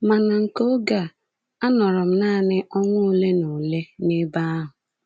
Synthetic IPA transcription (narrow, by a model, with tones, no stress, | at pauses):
ma˨na˨ŋ̩˨ko˦ɡa˨ | a˦nɔ˨ɾɔ˨m̩˦naː˦˨nɪ˦ʔɔ˦ŋʷʊ˦le˦nʊ˨le˦nɪ˦ba˦a˦ɦʊ˨